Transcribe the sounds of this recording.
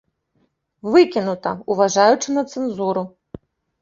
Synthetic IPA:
vɨkʲinut̪ɐ̰uvaʐajut͡ʂɨnɐt̪sɛnzuɾu

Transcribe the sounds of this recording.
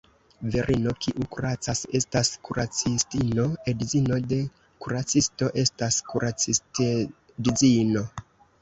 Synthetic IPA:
veɾʔino̞kʰiʔukuɾat͡sase̞staskuɾat͡sistino̞edizino̞de̞ | kuɾat͡sisto̞ʔe̞staskuɾʔat͡siste | dizino̞

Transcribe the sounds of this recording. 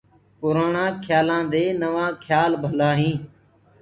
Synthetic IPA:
kʊɾaːɳãːkʰjaːlãːd̪eːnəʋãːkʰjaːlbʱəlaːɦĩː

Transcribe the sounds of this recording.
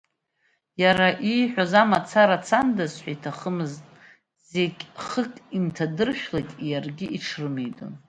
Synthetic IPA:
jaɾaʔijħʷᶣazamat͡sʰaɾat͡sʰandazħʷᶣaitʰaχəmɨztʼ | zekʲʼχəkʼintʰadɨrʃᶣlajtʼjarɡʲiʔiʈ͡ʂʰrɨmejtʼo̰n

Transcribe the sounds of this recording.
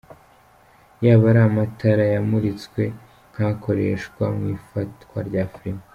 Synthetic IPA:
jaːβaɾamatʰaɾajamuɾit͡skwe̞ | n̥hako̞ɾe̞ʃkwamŋiːfatkwa̰ɾɟaːfɾika

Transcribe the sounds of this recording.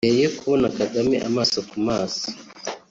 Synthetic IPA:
ejekʰuonakaɡamiʔa̰maːsokumaːso̥

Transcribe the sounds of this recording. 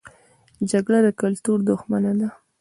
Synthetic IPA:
d͡ʒaɡɽad̪əkalt̪uɾd̪ʊxmanad̪a

